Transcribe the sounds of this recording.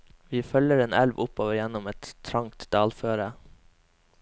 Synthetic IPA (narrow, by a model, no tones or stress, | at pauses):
ʋiːfœləɾeːnʔɛlʋʔʊpoːʋəɾjɛnɔmɛt̪t̪ʰɾɑŋt̪d̪̥ɑːlføːɾə